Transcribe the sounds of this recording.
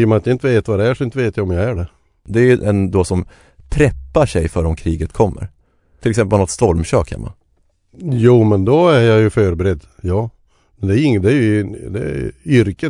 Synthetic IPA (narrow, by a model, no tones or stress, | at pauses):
ɾmanat̪jaɪnt̪əveːt̪vad̪ɛæʂɔɪnt̪əveːt̪jajɔmjaæɖɛ | d̪ɛæjɵɛnd̪osɔm | t̪ʰɾɛpːaʂɛjfœːɾɔmkʰɾiːɡət̪kʰɔmːə̰ɾ | t̪ʰɪlɛksɛmpəlnɔt̪st̪ɔlmɕø̰ːkhɛ̰mːa̰ | juːmɛnd̪ɔæɾjajɵfœːɾbɛɾɛd̪jɑː | mɛnd̪ɛæɪŋːd̪ɛæɾjɵd̪ɛ̰ʏɾkə